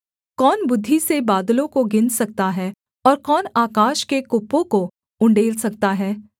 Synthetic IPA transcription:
kɔːnbʊd̪ʱːisebaːd̪lõkoɡɪnsɐk̚t̪aɦɛː | ɔːɾkɔːnaːkaːʃkekʊpːõko | ʊ̃ɳɖeːlsɐk̚t̪aɦɛː

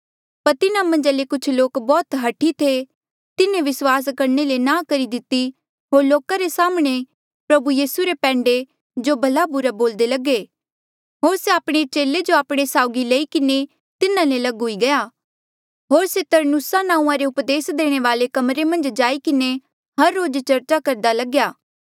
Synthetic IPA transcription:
pɐɾt̪ɪnãmɐ̃nd͡ʒalekʊt͡ʃʰloːkbɔːt̪ɦɐʈʰit̪ʰe | t̪ɪnẽʋɪswaːs̬kɐɾnelenãːkɐɾid̪ɪt̪i | ɦoːɾloːkaɾesaːmɽ̃e | pɾɐbujiːsuɾepɛ̃ːɳɖe | d͡ʒobʱɐlabʊɾaboːld̪elɐɡe | ɦoːɾseaːpɽ̃et͡ʃeːled͡ʒoaːpɽ̃esaːʊɡileikɪne | t̪ɪnãlelɐɡʊiɡɐjaː | ɦoːɾset̪ɐɾnusanãːũãɾeʊpd̪eːsd̪eːɽ̃eʋaːlekɐmɾemɐ̃nd͡ʒd͡ʒaːikɪne | ɦɐɾːoːd͡ʒt͡ʃɐɾt͡ʃakɐɾd̪alɐɡjaː

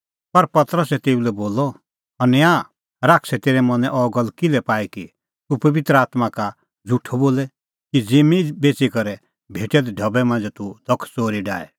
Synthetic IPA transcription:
pɐɾpɐt̪əɾəsɛt̪eːulɛboːlɔ | ɐnã | ɾaːkʰsɛt̪eːɾɛmɐ̃nɛʔɔːɡəlkɪlɛpaːiki | t̪upɐʋɪt̪ɾəaːt̪maka | d͡zʱuʈʰːoboːlɛ | kid͡zɪmibeːt͡sikɐɾɛ | bʱeːʈɛd̪ɛɖʱɐbɛmɐ̃nd͡zɛt̪ud̪̥ʱɐkʰt͡soːɾiɖa̰ːɛ̰

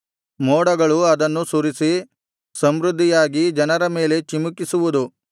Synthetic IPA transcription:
mɔːɽɐɡɐɭuɐd̪ɐnːusuːɾisi | sɐmɾud̪ʱːijaːɡid͡ʒɐnɐɾɐme̞ːle̞t͡ʃimukisuʋud̪u

